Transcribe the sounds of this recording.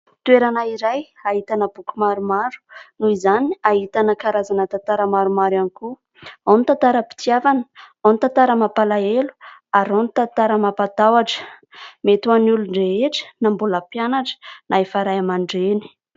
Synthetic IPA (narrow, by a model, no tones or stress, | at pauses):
t̪ueɾanaiɾaj | aɦit̪anəb̥ukumaɾumaɾu̥nuizaniaɦit̪anəkaɾazanət̪at̪aɾəmaɾumaɾaniku | anit̪ant̪aɾəpi̥t̪iavanə̥ | anit̪ant̪aɾəmapalaelu̥aɾonit̪ant̪aɾəmapat̪awaʈ͡ʂə̥met̪uanuluɳɖ͡ʐeeʈ͡ʂə̥nambulapjanaʈ͡ʂə̥naefaɾajamaɳɖ͡ʐeni̥